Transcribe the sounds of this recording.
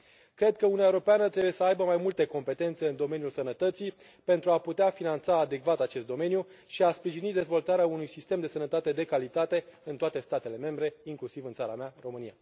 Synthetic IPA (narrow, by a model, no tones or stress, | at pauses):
kɾe̞d̪̚kəunuaewoɾo̞peanət̪ɾebujesəajbəmajmult̪eko̞mpe̞t̪e̞nt̪se̞ɨnd̪o̞me̞njulsənət̪ət̪si | pe̞nt̪ɾuaput̪eafinant̪saːd̪e̞kvat̪at͡ʃe̞st̪̚d̪o̞me̞njuʃiaspɾiʒinid̪e̞zvo̞lt̪aɾeaunujsist̪e̞md̪e̞sənət̪at̪e̞d̪e̞kalit̪at̪e̞ɨnt̪oat̪e̞st̪at̪e̞le̞me̞mbɾe̞iŋklusivɨnt̪saɾamearo̞mɨnija